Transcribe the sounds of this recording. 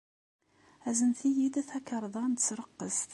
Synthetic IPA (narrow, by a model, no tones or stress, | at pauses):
æzənθijid̪æθækːəɾˤðˤɑnt̪t͡sːɾəqːəst̪